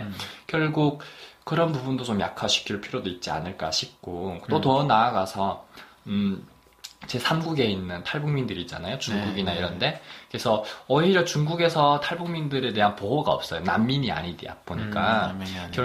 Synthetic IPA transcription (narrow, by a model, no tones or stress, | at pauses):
kjʌɭɡuk̚k͈ːɯɾʌnpubundot͡ɕomja̰kʰaɕʰi̥kʰiɭpʰiɾjodoit̚t͡ɕ͈ia̰nɯɭk͈a̰ɕʰik͈ut͈otʌnaːɡasʰʌ | t͡ɕe̞sʰamɡuɡe̞inːɯntʰaɭbuŋmindɯɾit͡ɕ͈a̰najot͡ɕuŋɡuɡinaiɾʌnde̞ke̞sʰʌʌiɾjʌt͡ɕuŋɡuɡe̞sʰʌtʰaɭbuŋmindɯɾe̞te̞ɦanpoɦoɡa̰ʌ̰p̚s͈ʌjona̰mːiɲia̰ɲidḛa̰p͈ʰoɲikk͈ak